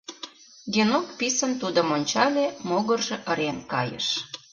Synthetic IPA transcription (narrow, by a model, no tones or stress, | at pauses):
ɡenokpisənt̪ud̪əmonʲt͡ɕɑlʲemoɣə̆rʒĕʔə̆ɾenkɑjə̰ʃ